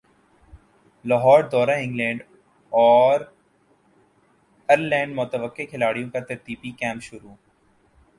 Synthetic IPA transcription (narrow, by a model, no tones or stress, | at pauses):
lɔːɦɔːɾd̪ɔːɾaɪ̃ŋɡlɛ̃ːɳɖ | ɔːɾ | ɐɾlɛ̃ːɳɖmʊt̪əʋəqːekʰɪlaːɽijõkat̪ɐɾt̪iːbikɛ̃ːmpʃʊɾuː